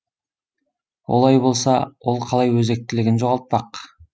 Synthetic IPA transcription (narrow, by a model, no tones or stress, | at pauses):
wo̞̰lˠɑjbo̞lˠsɑwo̞lˠqʰɑlˠɑjwɵze̞k̚t̪ɪlɪɡʲɪnʒo̞ʁɑlˠt̪̚pɑq